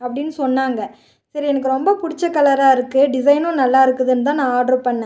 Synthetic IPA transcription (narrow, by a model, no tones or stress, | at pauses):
ɐpːɐɽɪnːɯsɔnːaːŋɡɐ | sɐɾiɛnɐk̬ːɯɾɔmbɐpʊɽɪt͡ʃːɐkːɐlɐɾaːɪɾɯkːɯɖɪs̬ɐɪnõːnɐlːaːɪɾɯkːɯðɯnːɯt̪̬ãːnãːaːɖɐɾpɐɳːẽ